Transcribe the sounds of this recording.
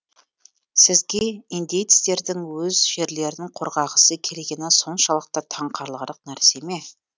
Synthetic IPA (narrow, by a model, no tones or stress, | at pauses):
sɪzɡʲe̞ind̪ejt̪st̪e̞ɾd̪ɪŋwɵzʒe̞ɾle̞ɾɪnɪŋqʰoɾʁɑʁəsəkʲʰe̞leɡʲenɪso̞nʃɑlˠəq̚t̪ɑt̪ʰɑɴqʰɑɾlˠɑɾəqnæɾse̞me